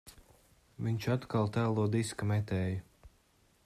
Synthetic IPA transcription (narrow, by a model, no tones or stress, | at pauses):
viɲʲt͡ʃat̪kalˠt̪æːlˠuɔd̪iskamɛt̪ɛːjɐ